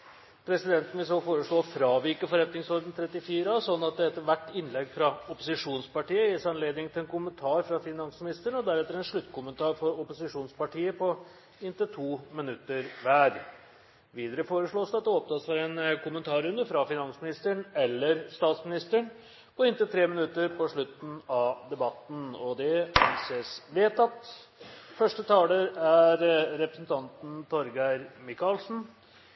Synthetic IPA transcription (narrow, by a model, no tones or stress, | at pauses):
pʰɾɛsɪd̪ɛnt̪n̩ʋɪlsofoːɾəʂɭoːfɾɑːʋɪkəfɔɾɛt̪nɪŋsɔɾɖ̪n̩t̪ʰɾɛt̪ːɪfiːɾɑsɔnːɑt̪̚d̪ɛɛt̪ːəʋæʈːɪnlɛɡfɾɑɔpʊsɪʂuːnspɑʈiːəjɪsæɑnleːd̪nɪŋt̪ʰɪlɛnkʊmənt̪ʰɑːɾfɾɑfɪnɑnsmɪnɪst̪əɳɔd̪æɾɛt̪əɾɛnʂɭʉt̪ːkʰʊmənt̪ʰɑːɾfɔɾɔpʊsɪʂuːnspɑʈʰiːəpʰɔ | ɪnt̪ət̪ʰuːmɪnʉt̪ːəɾʋæːɾ | ʋiːd̪əɾəfoːɾəʂɭoːsɑt̪̚d̪ɛɔp̚t̪ʰɑːsfɔɾɛnkʰʊmənt̪ʰɑːɾʉnd̪əfɾɑfɪnɑnsmɪnɪst̪əɳɛlːəɾst̪ɑːt̪smɪnɪst̪əɳ | pɔɪnt̪ət̪ʰɾeːmɪnʉt̪ːəɾpʰɔʂɭʉt̪n̩ɑʋd̪ɛbɑt̪ːn̩ɔd̪ɛisəsʋeːt̪ɑt̪ | fœʂʈət̪ʰɑːləɾæɾɾɛpɾəsn̩t̪ʰɑnt̪n̩t̪ʰɔɾɡæɪɾmɪkɑlsn̩